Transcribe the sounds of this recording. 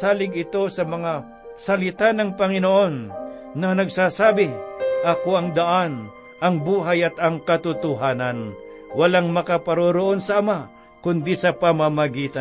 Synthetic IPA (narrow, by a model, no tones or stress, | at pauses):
aːlɪɡɪt̪o̞sɐmɐŋa | sɐlɪt̪anɐŋpɐŋɪnoʔo̞nː | ɐnɐɡsasaːbɪʔɐkoʔɐŋd̪ɐʔan | ʔɐŋbuːɦajɐt̪ɐŋkɐt̪ʊt̪ʊɦaːnɐn | wɐlaŋmɐkapɐɾoɾoʔo̞nsɐʔːma | kʊnd̪isɐpɐmamɐɡiːt̪ɐ